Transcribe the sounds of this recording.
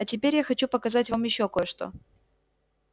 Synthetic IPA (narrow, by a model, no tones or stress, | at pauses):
ɐtʲɪpʲeɾʲjaxɐt͡ɕupəkɐzatʲvamjɪɕːoɐko̞jəʂt̪o̞̰